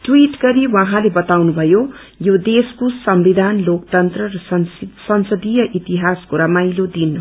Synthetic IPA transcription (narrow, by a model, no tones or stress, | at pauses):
ʈwiʈɡʌɾiwaɦãlebʌt̪awnubʱʌjo | jod̪eskosʌmbid̪ʱanlokt̪ʌnt̪rʌɾʌssʌnsʌd̪ijʌʔit̪iɦaskoɾʌmajlod̪in